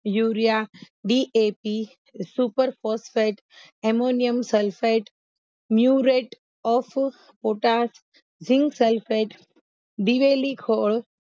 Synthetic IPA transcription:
juːɾja | ɖiʔepi | supəɾfɔsfeʈ | emonijəmsəlfʰeʈ | mjuɾeʈ | ɔːfʰ | poːʈas | d͡ʒʱĩŋɡselfeʈ | d̪iʋelikʰoːɭ

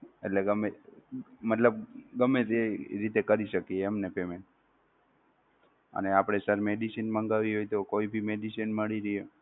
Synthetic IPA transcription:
ḛʈleɡəme | mət̪ləb̚ɡəmːeɾeɾit̪ekəɾiʃəkieəmnepemeɳʈ̚ | ə̰neapɽ̃esəɾmeɖisinmə̃ŋɡaʋiɦojt̪okoibʱimeɖisinməɭiɾəe

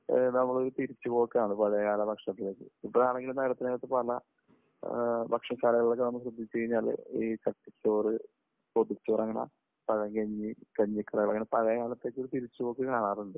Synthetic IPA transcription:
nɐmːɐɭoɾut̪iɾit͡ɕːupo̞ːkːɐaːɳɨpɐɻɐjɐkaːlɐbɐkʂɐt̪ːileːkːɨipːoaːɭe̞ŋɡilumnɐɣɐɾɐt̪ːinɐɐt̪ːɨpɐlɐ̰ | bɐkʂɐskaːlɐɣɐiɭokːenɐmːɕrɨd̪ʱːit͡ɕːuɣɐiɲːaːl̰iːt͡ɕɐʈːit͡ɕːoːrɨ | pod̪it͡ɕːoːrɐŋːɐɳɐ̰ | pɐɣɐŋɡɐɲːikɐɲːikːɐrɐɣɐɭɐŋːɐnepɐɣɐjɐkaːlɐt̪ːeːk̬ːoɾut̪iɾit͡ɕːupo̞ːkːikaːɳaːruɳɖɨ

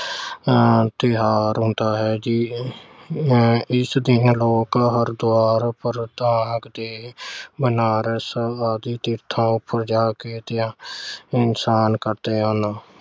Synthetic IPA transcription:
t̪ɪɦaːɾɦʊ̃nd̪aːɦɛːd͡ʒiː | ɪsd̪ɪnloːkɦəɾd̪ʊaːɾpəɾd̪ãːɡd̪eːbənaːɾesəaːd̪iːt̪ɪɾt̪ʰãːʊpːəɾd͡ʒaːkeːt̪ɪãːɪnsaːnkəɾt̪eːɦãːnaː

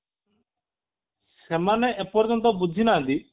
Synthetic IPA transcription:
semaneʔepɔɾd͡ʒɔnt̪̬ɔbud͡ʒʱinand̪i

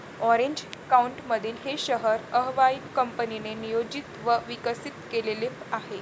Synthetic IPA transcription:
ɔɾeɲd͡ʑkauɳʈməd̪ʱiːlɦeɕəɦəɾəɦʋainkəmpəninenijod͡ʑit̪ʋəʋikəsit̪kelelepahe

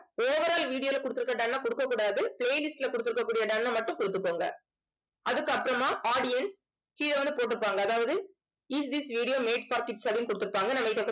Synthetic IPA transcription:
oːʋɐɾaːlʋiːɽɪjoːlɐkɔɽɯt̪ːɯɾɯkːɐɖɐnːaːkɔɽɯkːɐkːuːɽaːðɯpɭeːlɪsʈɪlɛkʊɽɯt̪ːɯɾɯkːɐkːuːɽɪjɐɖɐnːɐmɐʈːɯ̃kɔɽɯt̪ːɯkːoːŋɡɐ̰ | ʔɐðɯkːɯɐpːɐɾɐmaːʔaːɽɪjɐns | kiːlɐʋɐnd̪ɯpoːʈ̬ːɯɯpːaːŋɡɐːðaːʋɐðɯ | ɪsd̪isʋiːɽɪjoːmeːʈfɐːɾkɪʈsɐbɽɪnkʊɽɯt̪ːɯɾɯpːaːŋɡɐnɐmːɐɪʈːɐkː

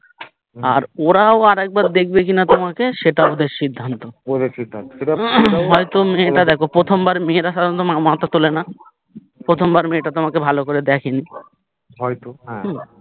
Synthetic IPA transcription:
a̰ɾoɾaoaɾɛk̚baɾd̪ek̚ʰbekinat̪omakeʃeʈaod̪eʃid̪ʱːant̪ood̪eʃid̪ʱːant̪oeʈaɦɔjt̪omeʈad̪ɛkʰopɾot̪ʰombaɾmeɾaʃad̪ont̪omamat̪at̪olena | pɾot̪ʰombaɾmeʈat̪omakebʱalokoɾed̪ɛkʰeni | ɦɔjt̪oɦɛ̃ɦ̩

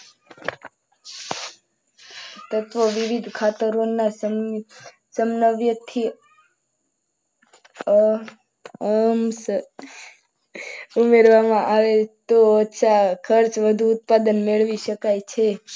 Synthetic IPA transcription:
t̪ət̪ʋəʋiʋid̪ʱkʰat̪əɾonaə | səmnəʋjət̪ʰi | əms | umeɾʋamãʔaʋet̪oətːʃʰakʰəɾt͡ʃʋəd̪ʱuːt̪̚pad̪ənmeɭʋiʃəkajt͡ʃʰe

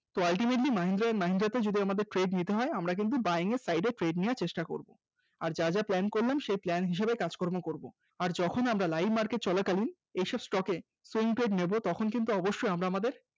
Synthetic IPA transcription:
t̪oalʈimeʈlimaɦind̪ɾanmaɦind̪ɾat̪ed͡ʑod̪iamad̪eɾʈɾeɖnit̪eɦɔeamɾak̬int̪̬ubajiŋesajɖeʈɾeɖnijaɾt͡ɕeʃʈako̰ɾbo̰ | aɾd͡ʑad͡ʑaplɛnkoɾlamʃejplɛnɦiʃ̬ebekad͡ʑkɔɾmokoɾbo | aɾd͡ʑɔkʰonamɾalajbʱmaɾkeʈ̚t͡ɕɔlakalin | ejʃɔbsʈɔke | suiŋʈɾeɖnebot̪ɔkʰonk̬int̪̬uɔboʃːojamɾaamad̪eɾ

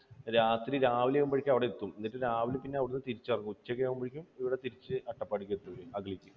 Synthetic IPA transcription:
ɾaːt̪riɾaːʋiljeɣumbɐɻikʲːɐɐʋiɽeet̪ːuminːiʈːɨɾaːʋilɨpinːe̞ɐʋiɽunːɨt̪iɾit͡ɕːɐrɐɲːuut͡ɕːɐkːɐjeɣumbɐɻikʲːumiʋiɽe̞t̪iɾit͡ɕːɨʔɐʈːɐpːɐɽikʲːɐt̪ːuʋiɐɡɭikʲːu

